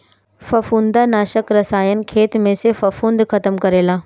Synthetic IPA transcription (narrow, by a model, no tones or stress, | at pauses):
fɐfũːnd̪anaːʃəkɾɐsaːjənɪ̆kʰeːt̪mẽːsefɐfũnd̪xɐt̪əmkɐɾeːlaː